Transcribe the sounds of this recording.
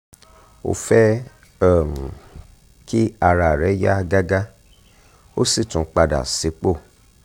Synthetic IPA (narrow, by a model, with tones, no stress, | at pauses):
o̰˧˨fɛ˦ | ɛ˦˨m̩˨ | ki˦a˧ɾa˨ɾɛ˨˦ja˦a˧ɡa˦ɡa˦ | o˦si˦˨tũ˨˦k͡pa˧da̰˨si˨˦k͡po˦˨